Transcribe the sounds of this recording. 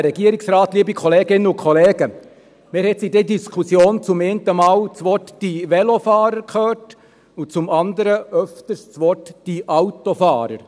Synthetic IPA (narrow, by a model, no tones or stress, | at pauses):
ɾɛɡiəɾɪksɾɑːtliːəbikʰɔleːɡɪnəʊkʰχɔleːɡə | meːɾhɛtsidɛdiskʰusjoːnt͡sʊmeːntəmɑːwt͡sʋɔtd̥iʋɛlɔfɑːɾəɾkʰøːt | ʊt͡sʊmɑndəɾəʔœftəst͡sʋɔtd̥iʔɑwtofɑːɾə̰ɾ